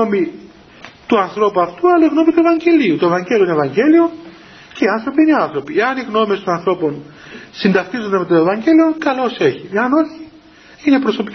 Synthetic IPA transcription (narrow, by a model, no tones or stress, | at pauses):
omi | t̪uɐnθɾo̞puɐft̪uɐlɐiɣno̞mit̪ue̞vɐɲɟe̞liut̪oevɐɲɟelioinevɐɲɟe̞lio̞ | ce̞iɐnθɾo̞piiniɐnθɾo̞pieɐniɣno̞mest̪o̞nɐnθɾo̞po̞n | sind̪ɐxt̪izod̪eme̞t̪oe̞vɐɲɟelio̞kɐlo̞se̞çieɐno̞çi | inepɾo̞so̞pi